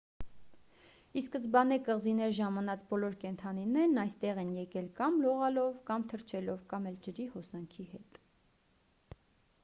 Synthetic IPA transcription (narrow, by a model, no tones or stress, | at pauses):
iskəzbɑnɛkəʁzinɛɾʒɑmɑnɑt͡sbɔlɔɾkɛnt̪ʰɑninɛɾnɑjst̪ɛʁɛnjɛkɛlkɑmlɔʁɑlɔvkɑmt̪ʰəɾt͡ʃʰɛlɔvkɑmɛlt͡ʃəɾihɔsɑŋkʰihɛt̪